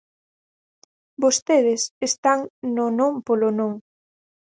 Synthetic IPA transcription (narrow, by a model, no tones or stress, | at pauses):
bost̪eð̞ɪsest̪aŋnonõmpolonõŋ